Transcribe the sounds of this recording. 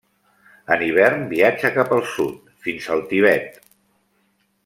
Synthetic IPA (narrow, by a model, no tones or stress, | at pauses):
əniβ̞ɛrnbiad͡ʒəkapəlˠsṵt̪ | finzəlˠt̪iβɛt̪